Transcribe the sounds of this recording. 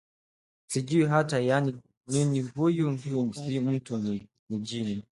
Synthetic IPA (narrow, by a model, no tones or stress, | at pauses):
sid͡ʒuwiɦatajani | niniɦujuŋɡusim̩tun | nid͡ʒini